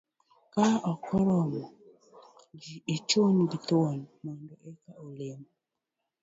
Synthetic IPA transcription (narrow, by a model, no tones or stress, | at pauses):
kaɔkɔɾɔmɔ | d͡ʒiit͡ʃonɡit̪wonmɔndɔʔɛkaolem